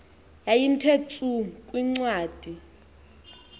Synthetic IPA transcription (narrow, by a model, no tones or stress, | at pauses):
jajin̩tʰet͡sʰʼukʼwiŋ͡ǀwaːd̥ʱi